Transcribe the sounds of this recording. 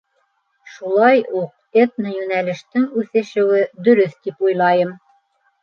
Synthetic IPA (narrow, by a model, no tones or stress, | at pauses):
ʃulˠɑjuq̚ | et̪nɤjʉnælɘ̆ʃt̪ɘŋʉθɘ̆ʃɘ̆wɘd̪ɵ̆ɾɵθt̪ipujlˠɑjɤm